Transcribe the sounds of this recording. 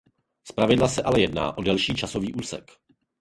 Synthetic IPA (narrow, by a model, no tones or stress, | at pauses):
spɾavɪdlasɛʔalɛjɛdna̰ːʔo̞dɛlʃiːt͡ʃasoviːʔuːsɛ̰k